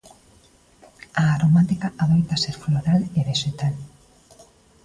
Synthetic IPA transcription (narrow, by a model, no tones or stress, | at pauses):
aːɾomat̪ikaʔaðojt̪aseɾfloɾaleβeʃet̪al